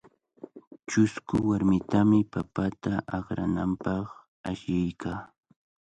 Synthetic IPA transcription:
t͡ʃʊskʊwaɾmɪt̪amɪpapat̪aʔɑχɾanampɑχ | aʃjajkʰaː

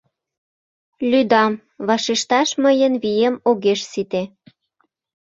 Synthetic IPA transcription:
lʲyd̪ɑm | βɑʃiʃt̪ɑʃməjənβijemoɣeʃsit̪e

